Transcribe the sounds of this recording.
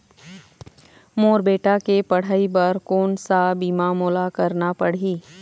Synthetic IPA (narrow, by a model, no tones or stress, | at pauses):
moːɾbeːʈakepɐɽ̤aːibɐɾkoːnsabiːmamoːlakɐɾnapɐɽ̤iː